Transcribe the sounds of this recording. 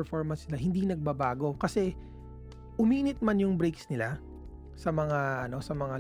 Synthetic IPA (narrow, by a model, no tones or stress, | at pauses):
ɹfoɹmɐnsnɪlaɦɪnd̪inɐɡ̚bɐbaːɡo̞kɐsɛ | ʔʊmiːnɪt̪̚manjʊŋbɾejksnɪla | sɐmɐŋaʔɐno̞sɐmɐŋa